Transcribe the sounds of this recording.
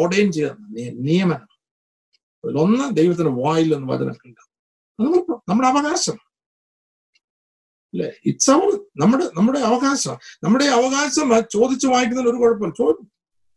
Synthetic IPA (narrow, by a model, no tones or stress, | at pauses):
orɖejnt͡ɕejðɐnːɐnijɐnijɐmɐna | ɐðilo̞nːɐd̪ejʋɐt̪̬ːindeʋaːjilːenːɨʋɐ̰d͡ʑɐ̰nɐ̰lkida | nɐmɐpnɐmːuɽeɐʋɐɣaːɕɐma | ɐlːḛit͡ɕːɐʋɐrnɐmːuɽenɐmːuɽe̞ɐʋɐɣaːɕɐma̰nɐmːuɽe̞ɐʋɐɣaːɕɐmɐt͡ɕo̞ːd̪it͡ɕːuʋaːjik̬ʲːunɐðenoɾukoɻɐp̬ːoːlt͡ɕo̞ːd̪ikːu